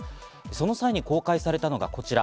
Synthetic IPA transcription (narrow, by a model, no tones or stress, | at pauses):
so̞no̞saiɲ̟iko̞ːkaisaɾe̞t̪ano̞ɡa̰ko̞t͡ɕiɾa